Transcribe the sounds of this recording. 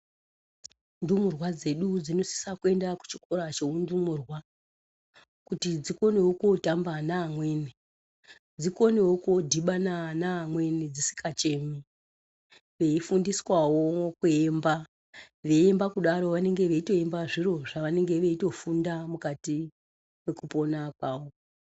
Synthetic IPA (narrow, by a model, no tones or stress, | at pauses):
ndumurwad͡ze̞ɗud͡zino̞si̥sakue̞ndaku̥t͡ʃi̥ko̞ɾat͡ʃeundumurwa | kutid͡ziko̞ne̞wokotambanaːmwe̞ne | d͡ziko̞newokodʱiɓananaːmwe̞ned͡zisi̥kʰat͡ʃe̞mi | ʋe̞ifundiswawo̞kue̞mba | ʋe̞embakuɗaɾo̞ʋane̞ŋɡe̞ʋe̞ito̞embaʐiro̞ʐaʋane̞ŋɡe̞ʋe̞ito̞fundamukati | me̞kupo̞nakwaːwo